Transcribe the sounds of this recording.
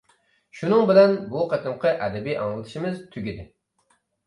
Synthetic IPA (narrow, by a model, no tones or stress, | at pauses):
ʃunɨŋbɪlɛnbuqʰɑt̪ɨmqʰəʔɛd̪ɛbijʔɑ̰ŋlˠɨt̪ʰɨ̥ʃimɪzt̪ʰyɡʲid̪ɪ